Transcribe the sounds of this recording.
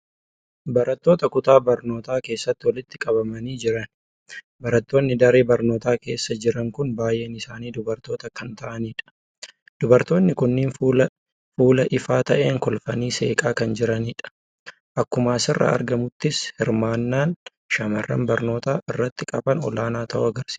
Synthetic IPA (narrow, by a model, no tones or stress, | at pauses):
bɐɾɐt̪ːo̞ːt̪ɐkʊt̪aːbɐɾno̞ːt̪aːke̞ːsːɐt̪ːɪwɐlɪt̪ːɪkʼɐbɐmɐniːd͡ʒɪɾɐn | bɐɾɐt̪ːo̞ːnːɪd̪ɐɾe̞ːbɐɾnoːt̪aːke̞ːsːɐd͡ʒɪɾɐŋkʊnbaːjʔeːnɪsaːniːd̪ʊbɐɾt̪o̞ːt̪ɐkɐnt̪ɐʔɐniːᶑɐ̥ | d̪̥ʊbɐɾt̪o̞ːnːɪkʊnːɪːnː | fuːlɐʔɪfaːt̪ɐʔe̞ːŋkɔlfɐniːse̞̰ːkʼaːkɐnd͡ʒɪɾɐniːᶑɐ̥ | ʔɐkːʊmaːsɪrːɐ̰ɐ̰ɾɡɐmʊt̪ːɪshɪɾmaːnːaːn | ʃɐmɐrːɐ̰nbɐɾno̞ːt̪aːʔɪrːɐt̪ːɪkʼɐbɐnɔ̰laːnaːt̪ʰɐʔʊɐɡɐɾsi̥ː